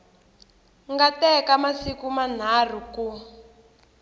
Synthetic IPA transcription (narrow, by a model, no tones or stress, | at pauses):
ŋɡatɛkamasikuman̤ar̤iku